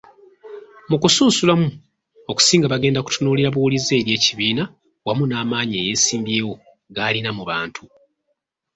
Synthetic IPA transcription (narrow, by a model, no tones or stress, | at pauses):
mukusuːsulamu | o̞ku̥siːŋɡaβaɡe̞ːndaku̥tunuːliɾaβuwulize̞ːɾje̞ːciβiːna | wamunaːmaːɲeːje̞ːsiːmbje̞ːwo̞ | ɡaːlinamuβaːntʰu